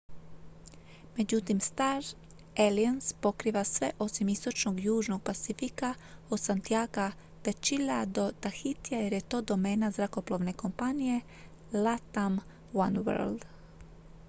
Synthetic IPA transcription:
med͡ʒut̪imst̪aɾ | elianspokɾiːʋasʋeʔo̞simist̪o̞t͡ʃnoɡjuːʒnoɡ̚pat̪sifika | od̪sant̪ijaːɡa | p̪et͡ʃilad̪ot̪axit̪iajɛɾjet̪od̪omeːnazɾakoplˠoʋne̞kompanije | lat̪am | wanwɛ̰ɾld̪

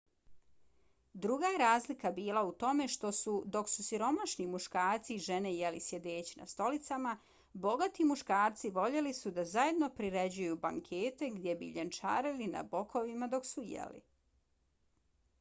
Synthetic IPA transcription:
d̪ɾuɡajeɾaːzlikabiːlˠaut̪o̞me̞ʃt̪o̞sud̪o̞ksusiɾo̞maʃnimuʃkaːɾt̪siʒe̞ne̞jelisje̞d̪eːt͡ɕina̰st̪o̞lit̪sama | bo̞ɡat̪imuʃkaːɾt̪siʋo̞ʎe̞lisud̪azaje̞d̪no̞pɾiɾed͡ʑujubaŋkʰeːt̪e̞ɡd̪ʲjebḭʎent͡ʃa̰ːɾilina̰bokʰo̞ʋimad̪o̞ksujḛlḭ

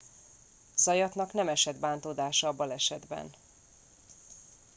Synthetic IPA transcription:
z̥ɒjɒt̪nɒknɛmɛʃɛd̪baːnt̪oːd̪aːʃɒɒbɒlɛʃɛd̪bɛ̰n

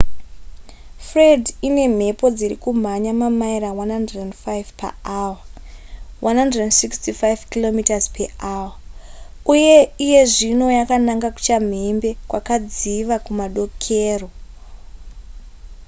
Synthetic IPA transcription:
fredine̞m̤e̞po̞d͡ziɾḭkum̤aɲamamaiɾawanhandredendfajvpa̰awa | wanɦandrdendsikstifajvkilo̞mitazpeʔaːwa | uje̞ije̞ʐino̞jakanaŋɡaku̥t͡ʃam̤embe̞kwa̰kad͡ziʋakumaɗo̞kʰeːro̞

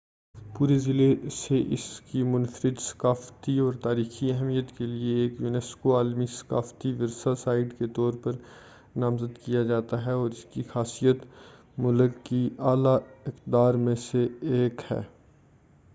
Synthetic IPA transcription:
puːɾezɪleseʔɪ̰skimʊ̃nfəɾɪd̪sɐ̥kaːft̪iɔːɾt̪aːɾiːxiɛɦmijət̪kelieːkjuːnɛːskoaːlmisɐ̥ka̰ːft̪iʋɪɾsasaːɪɖket̪ɔːɾpɐɾ | nãːmzəd̪kijad͡ʒaːt̪aɦɛɔːɾɪskixaːsijət̪ | mʊləkːiaːlaɪq̪d̪aːɾmẽseeːkhɛ̰ː

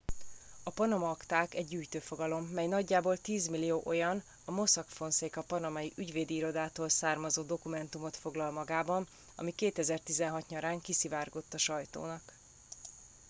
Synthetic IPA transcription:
ɒpɒnɒmɒːkt̪aːkɛɟːyːjt̪øːfo̞ɡɒlo̞mːɛjnɒɟːaːboːlt̪iːzmilːijoːʔo̞jɒn | ɒmo̞sɒkfo̞nseːkɒpɒnɒmɒjiʔyɟveːd̪iiːɾo̞d̪aːt̪oːlsaːrmɒzoːd̪o̞kumɛnt̪umo̞t̪fo̞ɡlɒlmɒɡaːbɒn | ɒ̰mikeːt̪ɛzɛrt̪izɛnɦɒt̪ɲɒɾaːŋkisivaːrɡo̞t̪ːɒʃɒjt̪o̰ːnɒk

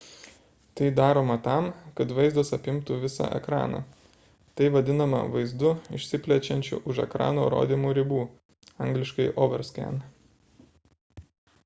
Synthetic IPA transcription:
t̪ɐɪd̪ɑːɾoːmɐt̪ɑˑmkɐt̪ʋɐɪzd̪ɐsɐpʲɪmt̪uʋʲɪsɑ̰ʔɛ̰kɾɑ̰ːnɑ̰ | t̪ɐɪʋɐd̪ʲɪnɐmɐ̰ʋɐɪzd̪ʊɪ̰ʃʲsʲɪpʲlʲɛt͡ʃʲɛnʲt͡ʃʲʊ̰ʔʊʃɛ̰kɾɑ̰ːnoːɾo̰ːd̪ʲimuːɾʲɪbuː | ɐŋɡlʲɪʃkɐɪʔoːʋʲɐɾʲskʲæ̰n

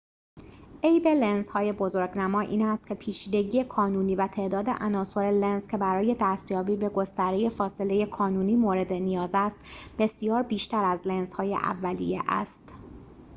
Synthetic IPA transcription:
ʔejbe̞lenzhɒːje̞bo̞zo̞ɾɡnæmɒːʔḭːnæst̪̚cʰe̞pʰiːt͡ʃʰiːd̪e̞ɟiːje̞kʰɒːnuːniːvæt̪ʰe̞ʔd̪ɒːd̪e̞̰ʔænɒːso̞ɾelenzcʰʲe̞bæɾɒːje̞d̪æːst̪jɒːbiːbe̞ɡo̞st̪æɾeje̞fɒːse̞le̞je̞kʰɒːnuːniːmoːɾe̞d̪e̞nijɒːzæst̪b̥e̞sijɒːɾbiːʃt̪æɾæzlenzhɒːje̞̰ʔæ̰vːælḭjḛʔæ̰st̪

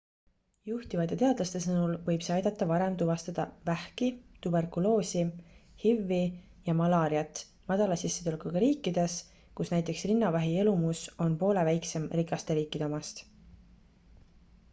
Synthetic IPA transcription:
juht̪ivɑt̪ːˑet̪e̞ɑd̪̥lɑst̪e̞sɤnulvɤ̞jb̥seɑjd̪ɑt̪ˑːɑvɑɾe̞mt̪uvɑst̪ɑd̪̥ɑvæhkit̪ube̞rkulo̞ːsihivːi | jɑmɑlɑːɾiɑt̪ˑː | mɑd̪̥ɑlɑsisːed̪̥elkukɑɾiːkˑːid̪̥e̞s | kusnæjt̪ːˑe̞ksrinːɑvæɦielumuso̞npo̞ːle̞væjkse̞mrikːˑɑst̪e̞ɾiːkˑːid̪eo̞mɑst̪

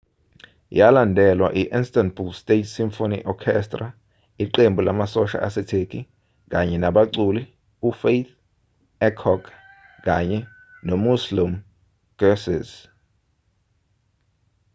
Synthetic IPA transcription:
jalandʱɛlwa̰ʔiʔinstʼanbulstʼetʰsimfonḭʔɔkʰɛstʼra | iǃembʱulamasɔʃa̰ʔa̰sɛtʰekʰi | k̬aɲɛnaɓaǀuli | ufejt̪ | ɛkʰɔkʰ | k̬aɲɛ | nomuslim | ɡ̥ɛsiz

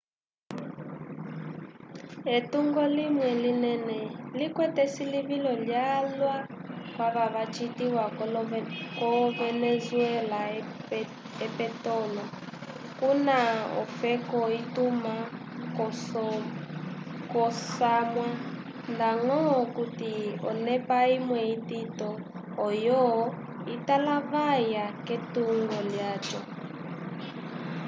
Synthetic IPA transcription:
etuŋɡɔlimwɛlinɛnɛlikwɛtɛsiliβilɔljalwakwaβaβat͡ʃitiwa | kɔvɛnɛzwɛla | ɛpɛtɔlɔ | kunaɔ̰fɛkɔituma | kɔsamwa | ndaŋɔkutiɔ̰nɛpaimwɛititɔː | jɔ | italaβajaketuŋɡɔljatɔ

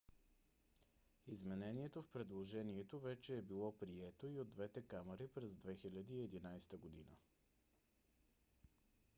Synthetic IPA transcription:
izmɛnɛniɛt̪ofpɾɛd̪lˠoʒɛniɛt̪ovɛt͡ʃɛːbilˠɔpɾiɛt̪oiod̪ːvɛt̪ɛkamɛɾipɾɛzd̪vɛxilʲəd̪əiɛd̪inajst̪əɡod̪inə̰

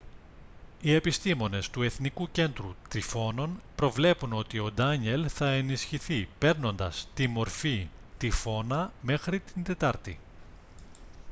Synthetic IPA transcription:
ie̞pist̪imo̞ne̞st̪ue̞θnikuce̞nd̪ɾut̪ɾifo̞no̞npɾo̞vle̞puno̞t̪io̞d̪ɐɲe̞lθɐe̞nisçiθipe̞ɾno̞nd̪ɐst̪imo̞ɾfit̪ifo̞nɐme̞xɾit̪ind̪e̞t̪ɐɾt̪ḭ

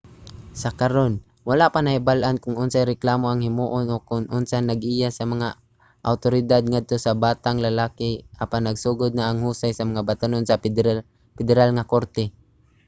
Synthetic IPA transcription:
sɐkaɾon | walaʔpanɐhɪbalʔankʊŋʔʊnsajɾɛklaːmoʔaŋhɪmuːʔonʔokʊŋʔʊnsanɐɡʔiːjasɐmaŋa | ʔa̰wt̪oɾɪd̪ad̪̚ŋad̪̚t̪osabaːt̪aŋlalaːkɪʔapanːɐɡsuːɡʊd̪̚naʔːŋhuːsajsɐmaŋabat̪anonsɐ | pɛd̪ɛɾalŋakoɾt̪ɛ

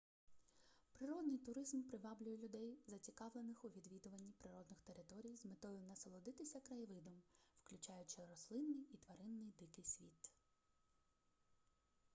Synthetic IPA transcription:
pɾɪɾɔd̪nɪjt̪ʊɾɪzmpɾɪʋɑblʲʊjɛlʲʊd̪ɛjzɐt͡sʲikɑʋlenɪxʊʋʲid̪ʋʲid̪ʊʋɐnʲːipɾɪɾɔd̪nɪxt̪eɾɪt̪ɔɾʲijzmet̪ɔjʊnɐsɐlˠɔd̪ɪt̪ɪsʲɐkɾɐjʋɪd̪ɔmwklʲʊt͡ʃɑjʊt͡ʃɪɾɔslˠɪnːɪjit̪ʋɐɾɪnːɪjd̪ɪkɪjsʲʋʲit̪

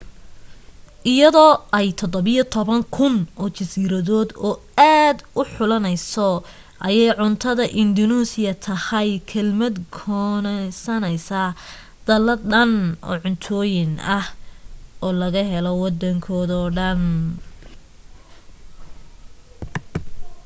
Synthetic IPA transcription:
ʔɪjɐðɔːʔɛjt̪ʰɔd̪ɔβɪjɔt̪ʰɔβɐŋkʰʊnʔɔːt͡ʃɐsiːɾɐðɔːd̪ɔː | aːd̪ʊħʊlɐnɛjsɔ | ʔɐjɛjʕʊnt̪ʰɐðɐʔɪnd̪ɔnuːsɪjɐt̪ʰɐhɐjkʰɐlmɐd̪kʰɔːnɛsɐnɛjsa | d̪̥ɐlɐɖɐnʔɔ̰ːʕʊnt̪ʰɔːjɪnɐhʔɔːlɐɣɐɦɛlɔwɑd̪ɐŋkʰɔːðɔːɖɐn

